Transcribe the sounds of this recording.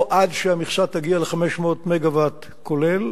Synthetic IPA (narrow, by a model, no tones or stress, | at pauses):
ʔadʃeamiχʃat̪ːaɡialeχameʃmotmeɡavat | kʰolel